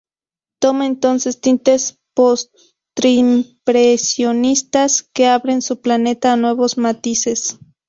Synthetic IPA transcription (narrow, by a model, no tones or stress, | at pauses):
t̪omaent̪onsest̪int̪es | pos | t̪ɾimpɾesjonist̪askeaβɾensuplanet̪aːnwe̞βosmat̪ises